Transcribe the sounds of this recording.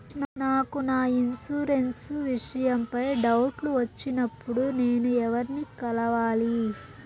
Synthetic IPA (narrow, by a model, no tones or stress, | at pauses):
nnaːkunaːinsuɾe̞nsʋiʂɐjɐmpɐjɖɐwʈluʋɐt͡ʃːinɐpːuɽune̞ːnuɛʋɐɾnikɐlɐʋaːli